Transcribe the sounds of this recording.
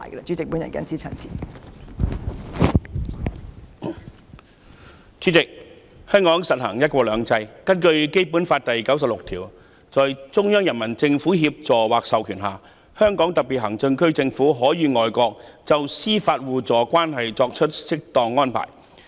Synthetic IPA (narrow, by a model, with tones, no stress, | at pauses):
jkt͡ʃyː˨˥t͡sɪ˨k̚pu˨˥njɐ˨nkɛ̰˧˥ɐ˨nsiː˥t͡sʰɐ̰ː˨˩nsḭː˨ | t͡syː˨˥t͡sɪ˨k̚ | hœː˥ŋkɔː˨˥ŋsɐ˨t̚hɐ̰˨˩ŋjɐ˥t̚kʷɔː˧lœː˨˧ŋt͡sɐ˧jkɐ˥nkɵ˧ɥke˥jpuː˨˥nfaː˧t̚t̪ɐ˨jkɐ˨˥ws̬ɐ˨p̚lʊ˨k̚t̪ʰiː˨˩w | t͡sɔː˨jt͡sʊ˥ŋjœː˥ŋjɐ˨˩nmɐ˨˩nt͡sɪ˧ŋfuː˨˥ɦiː˧p̚t͡sɔː˨waː˨˩k̚sɐ˨wkʰyː˨˩nɦa̰ː˨˩ | hœː˥ŋkɔː˨˥ŋt̪ɐ˨˩pi˨˩ɦɐ˨˩ŋt͡sɵ˧ŋkɵ˥ɥt͡sɪ˧ŋfuː˨˥ɦɔː˨˥jiː˨˧ŋɔː˨jkʷɔː˧k̚t͡sɐ˨wsiː˥faː˧t̚wuː˨t͡sɔː˨˥kwaː˥nɦɐ˨jt͡sɔː˧k̚t͡ʃʰɵ˥t̚sɪ˥k̚t̪ɔː˨˧ŋːɔː˥npʰa̰ː˨˩j